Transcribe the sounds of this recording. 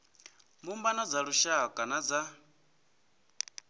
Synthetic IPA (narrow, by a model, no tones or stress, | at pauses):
mbumbanad͡zaɺuʃakʼanad͡za